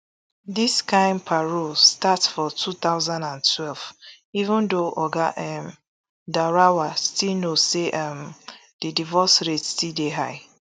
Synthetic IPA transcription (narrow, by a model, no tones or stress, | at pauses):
diskãɪ̃npʰaɹostatsfɔtʰut̪aʊzãndãntʰwɛlv | ivũndoʔɔɡaʔɛm | daɾawastilnoseʔam | d̥idivɔsɹetstildeɦaɪ